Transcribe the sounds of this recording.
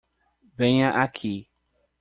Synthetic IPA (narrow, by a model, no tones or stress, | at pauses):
bɛɲãʔakʰi